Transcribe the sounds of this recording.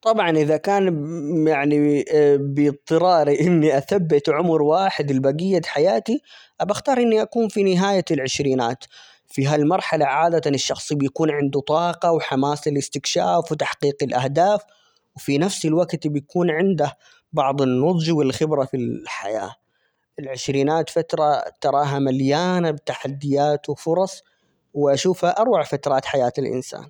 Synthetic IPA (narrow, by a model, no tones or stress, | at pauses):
t̪ˤɑbʕɑnʔɪðakaːnjaʕnibɪt̪ˤːɨɾɑːɾiʔɪnːiʔaθabːɪt̪ʕʊmɾwaːħɪd̪ɪlbaɡɪjːad̪ħajaːt̪iʔabaxt̪ɑːɾˤʔɪnːiʔakuːnfinɪɦaːjalʕɪʃɾiːnaːt̪ | fiɦalmɑɾˤħalaʕaːd̪at̪anɪʃːɑxsˤibjakuːnʕɪnd̪ut̪ˤɑːqɑwħamaːsɪlɪst̪ɪkʃa̰ːfwt̪aħqiːqɪlʔahd̪aːf | wfinafsɪlwaɡt̪bjakuːnʕɪnd̪ah | bɑʕðˤɨnːʊd̪ˤd͡ʒwɪlxɪbɾafilħa̰ja̰ː | ʔɪlʕɪʃɾiːnaːt̪fat̪ɾˤɑt̪ɑɾˤɑːɦamaljaːnabt̪aħad̪ːɪjaːt̪wfʊɾˤɑsˤ | wɪʔaʃuːfhaʔɑɾˤwaʕfat̪ɾˤɑːt̪ħajaːt̪ɪlʔɪ̰nsa̰ːn